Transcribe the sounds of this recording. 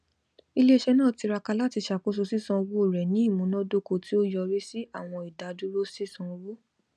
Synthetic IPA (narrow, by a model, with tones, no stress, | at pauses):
i˧le˦e˧ʃɛ˧nãː˦˨ti˧ɾa˧ka˧la˦ti˧ʃa˨ko˦s̬u˧si˦sɔ̃˧wu˦o˦˨ɾɛ˨nĩ˦i˦˨mũ˨˦nɔ̃˦do˦ko˧˨ti˦o˦jɔ˧ɾi˦si˦a˦˨w̃ɔ̃˧i˨da˨˦du˦ɾo˦si˦sɔ̃˧wu˦